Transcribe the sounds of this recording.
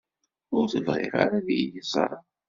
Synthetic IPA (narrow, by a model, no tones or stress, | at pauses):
ʊɾθəvʁɪ̰ɾa̰ɾaðijjəsˤɾˤɑ